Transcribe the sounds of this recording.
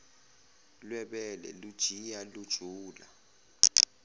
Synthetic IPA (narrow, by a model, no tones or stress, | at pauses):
lwɛɓɛlɛ̰lud̥ʒ̥ʱijalud̥ʒ̥ʱuːla